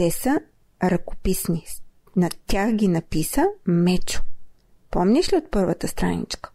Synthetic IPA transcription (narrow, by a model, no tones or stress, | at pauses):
t̪ɛsə | ɾɐko̥pisni | nɐt̪ʲaxɡʲinɐpisəmɛt͡ʃʊ̥ | pɔmnʲɛʃliot̪̚pɤɾvət̪əst̪ɾa̰nḭt͡ʃkə̥